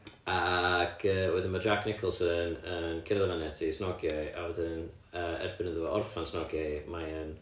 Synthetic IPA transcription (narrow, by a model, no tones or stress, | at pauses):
aɡ̥əːwɛðɪnmadraɡnɪkʰəlˠsəðənənkʰɪɾaðavanɛtʰisnɔɡjaja̰wɛðɪn | əːɛ̰rbɪnəðuɔʔɔrfansnɔɡjajmajən